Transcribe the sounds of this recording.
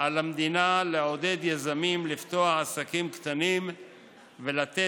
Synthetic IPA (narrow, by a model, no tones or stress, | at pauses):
alamd̪inaleo̞d̪e̞d̪jazamimlift̪o̞aχasakimkt̪anim | velat̪e